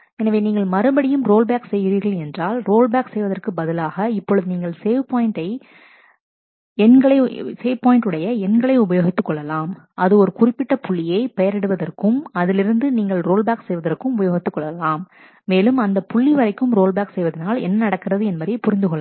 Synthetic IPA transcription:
ɛnɐʋeːniːŋɡɐɭmɐɾɯbɐɽɪjɯmɾoːlbaːksɛjːɪɾiːɾɣɐlɛndraːlroːlbaːksɛjʋɐðɐrkɯbɐðɪlaːɣɐɪpːɔɭɯðɯniːŋɡɐɭseːʋpoːjɪɳʈɐɪ | ɛnɡɐɭɐɪseːʋpoːjɪɳʈɯɽɐjɐɛnɡɐɭɐɪʊbɐjoːɣɪt̪ːɯkːɔɭːɐlaːm | ɐðɯɔɾɯkʊrɪpːɪʈːɐpʊɭːɪjɐɪpɛjɐɾɛɽɯʋɐðɐrkɯmɐðɪlɪɾɯnd̪ɯniːŋɡɐɭɾoːlbaːksɛjʋɐðɐrkɯmʊbɐjoːɣɪt̪ːɯkːɔɭːɐlaːmː | eːlɯmɐnd̪ɐpʊɭːiʋɐɾɐɪkːɯmɾoːlbaːksɛjʋɐðɪnaːlɛ̰nːɐnɐɽɐkːɪrɐðɯɛnmɐðɾɪpʊɾɪnd̪ɯɣɔɭːa

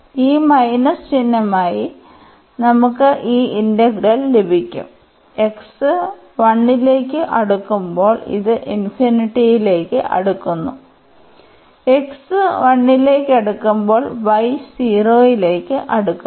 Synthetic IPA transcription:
iːmɐjnɐst͡ɕinːɐmaːji | nɐmukːɨʔiːindɐɡrɐlːebʱikʲːṵm | e̞ksɨ | ʋɐɳːileːkʲːɨʔɐɽukːumbo̞ːɭḭðɨʔinfiniʈːijile̞ːkːɨ̰ʔɐ̰ɽukːunːṵ | eksɨʋɐɳːile̞ːkːɐɽukːumbo̞ːɭʋɐjsiːro̞ːjile̞ːkːɨʔɐɽukː

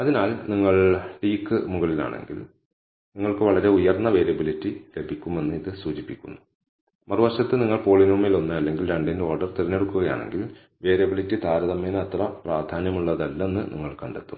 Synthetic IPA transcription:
ɐðinaːlniŋːɐɭʈiːkːɨmuɣɐɭila̰ːɳe̞̰ŋɡḭl | niŋːɐɭkɨʋɐɭɐɾe̞ujɐrnːɐʋe̞ːɾɐbilitːile̞bʱikʲːume̞nːɨiðɨsuːt͡ɕipːikʲːṵnːu | mɐrɨʋɐʂɐt̪ːɨniŋːɐɭpoːɭinuːmːilo̞nːɨɐlːe̞ŋɡilɾɐɳɖino̞ːrɖɐrt̪irɐnːe̞ɽukːuɣɐja̰ːɳe̞̰ŋɡil | ʋe̞ːɾɐbilitːit̪aːɾɐðɐmeːnɨɐt̪rɐpraːrd̪ʱaːnjɐmuɭːɐðɐlːenːɨnʔḭŋːɐɭkɐɳɖet̪ːum

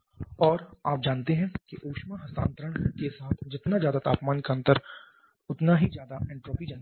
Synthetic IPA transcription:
ɔːɾaːp̚d͡ʒaːnt̪eɦɛ̃kiʔoːkʃmaɦɐst̪ã̰ːnt̪ɾəɽ̃kesaːt̪ʰd͡ʒɪt̪nazjaːd̪at̪a̰ːpmaːnkaə̃nt̪əɾ | ʊt̪naɦizjaːd̪aɛ̃ːɳʈɾoːpid͡ʒɐn

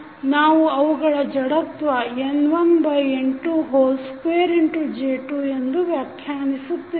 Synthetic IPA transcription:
naːʋuɐʋuɡɐɭɐd͡ʒɐɽɐt̪ʋɐenʋɐnbʱɐjeɳʈuɦoːlspeːɾeɳʈud͡ʒeːʈuend̪uʋjaːkʰjaːnisut̪ːi

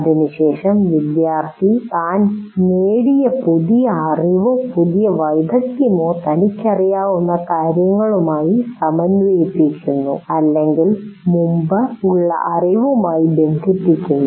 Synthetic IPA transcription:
ɐðinɨɕe̞ːʂɐmʋid̪jaːrt̪ʰit̪aːnneːɽijɐpuðijɐːriʋɐpuðijɐʋɐjd̪ʱɐk̪jɐmoːt̪ɐnikʲːɐrijaːʋunːɐkaːɾjɐŋːɐɭumaːjisɐmɐnejpːikʲːunːṵɐlːe̞ŋɡilmumbɐuɭːɐ̰ʔɐriʋɐmaːjibe̞nd̪ʱipːikʲːunːu

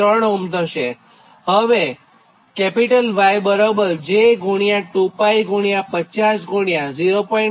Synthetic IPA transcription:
əɳumd̪ʱəʃe | ɦəʋe | kɛpiʈəlʋajbəɾobəɾd͡ʒeɡʱuɽ̃ijãʈupaiɡʱuɽ̃jãpət͡ʃasɡʱuɽjaziɾopoi

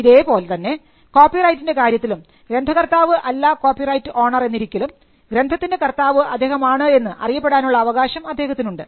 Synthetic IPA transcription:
iðe̞ːpo̞ːlt̪ɐnːe̞ | ko̞ːpːirɐjtːinde̞kaːɾjɐt̪ːilum | ɡɾe̞nd̪ʱɐkɐrt̪aːʋɨʔɐlːako̞ːpːirɐjtːɨʔo̞ːɳɐre̞nːiɾikʲːɐlum | ɡɾe̞nd̪ʱɐt̪ːinde̞kɐrt̪aːʋɨʔɐd̪ːeːɦɐmaːɳɨe̞nːɨʔɐ̰rijɐpːeɽaːnuɭːɐːʋɐɣaːɕɐmɐd̪ːe̞ːɦɐt̪ːinuɳɖɨ

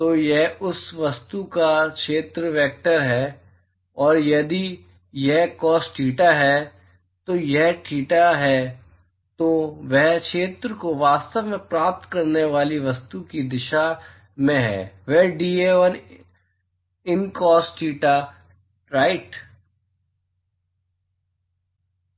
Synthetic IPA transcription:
t̪oːjɛɦʊsʋɐst̪ukakʃeːt̪ɾəʋɛːk̚ʈəɾɦɛː | ɔːɾjɐd̪i | jɛɦkɔːsʈʰiːʈaɦɛ | t̪ojɛɦʈʰiːʈaɦɛ | t̪oʋɛɦkʃʰeːt̪ɾəkoʋaːst̪əʋmẽpɾaːp̚t̪kɐɾneʋaːliʋɐst̪ukid̪ɪʃa | mẽɦɛ̰ːʋɛɦɖiːeəɾ | ɪnkɔːsʈʰiːʈa | ʈɾaːɪʈ

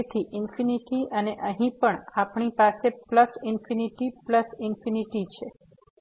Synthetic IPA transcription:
t̪ʰiʔɪnfiniʈiʔəneʔəɦĩpəɳapɳ̃ipasepləsɪnfiniʈipləsɪnfiniʈit͡ʃʰe

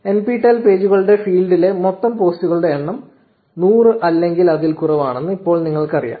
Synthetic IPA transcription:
e̞npiːʈːɐlpe̞ːd͡ʑuɣɐɭuɽe̞fiːlɖile̞mot̪ːɐmpo̞ːstuɣɐɭuɽeːɳːɐm | nuːrɨʔɐlːe̞ŋɡilɐðilkurɐʋaːɳenːɨipːo̞ːɭniŋːɐɭkɐrḭja̰ː

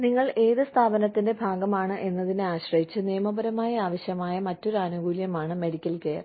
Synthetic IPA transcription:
niŋːɐɭʔe̞ːðɨst̪ʰaːbɐnɐt̪ːinde̞bʱaːɡɐmaːɳɨʔe̞nːɐðinɨaːɕrɐɦit͡ɕːɨnijɐmɐbɐɾɐmaːjɐaːʋɐɕjɐmaːjɐmɐtːo̞ɾuaːnuɡuːljɐmaːɳɨme̞ɽikʲːɐlkeːjɐ̰r

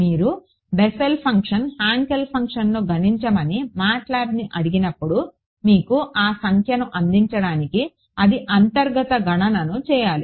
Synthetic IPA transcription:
miːɾu | beselpʰɐŋkʂɐnhaːŋkelpʰɐŋkʂɐnloːɡʱɐniɲt͡ʃɐmɐnimaːʈlaːɾiniʔɐɽiɡinɐpːuɽu | miːkuʔaːsɐŋkʰjɐnɐʔɐnd̪iɲt͡ʃɐɽaːniki | ɐd̪iʔɐnt̪ɐɾɡɐt̪ɐɡʱɐɳɐnɐnut͡ʃɛːjaːli

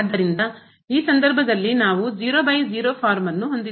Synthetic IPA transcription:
d̪ːɐɾind̪ɐ | iːsɐnd̪ɐɾbʱɐd̪ɐlːinaːʋud͡ʒiːɾoːbɐjd͡ʒiːɾoːpʰaːɾmɐnːuɦo̞nd̪i

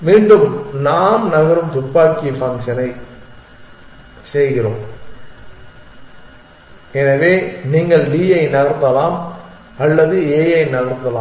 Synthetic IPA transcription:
miːɳɖɯmnaːnnɐɣɐɾɯmt̪ʊpːaːkifɐŋkʂɐnɐɪ | sɛjɣɪroːm | ɛnɐʋeːniːŋɡɐɭliːjɐɪnɐɣɐɾnd̪ɐlaːm | ɐlːɐðɯeːjɐɪnɐɣɐɾnd̪ɐlaː

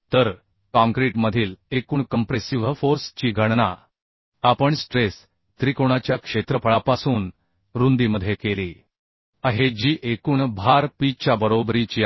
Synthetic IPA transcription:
t̪əɾ | kãŋkɾiʈməd̪ʱiːlekuːɳkəmpɾesiʋfoɾst͡ɕiːɡʱəɽna | apəɳsʈɾes | t̪ɾikoɽ̃at͡ɕjakʂet̪ɾəpʰəɭapasuːn | ɾund̪iməd̪ʱjekeliː | əɦed͡ʑiːʔekuːɳbʱaɾpit͡ɕjabəɾobɾit͡ɕiː

